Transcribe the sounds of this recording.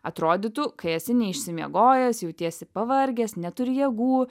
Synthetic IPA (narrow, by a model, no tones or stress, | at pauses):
ɐt̪ɾoːd̪ʲɪt̪ukɐɪɛsʲɪnʲɛɪʃʲsʲɪmʲiɛɡoːjɛsjɛʊt̪ʲiɛsʲɪpɐʋɐɾʲɡʲɛsnʲɛt̪ʊɾʲjɛɡuː